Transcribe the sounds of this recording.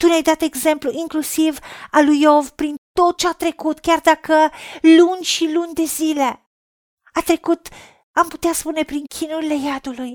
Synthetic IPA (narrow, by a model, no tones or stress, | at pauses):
t̪uneajd̪at̪e̞ɡze̞mpluʔiŋklusivalujo̞vpɾint̪o̞t̪̚t͡ʃeat̪ɾe̞kut̪kʲard̪akəlunʲʃilunʲd̪e̞zile̞ | at̪ɾe̞kut̪ | amput̪easpune̞pɾiŋkʲʰinuɾile̞jad̪uluj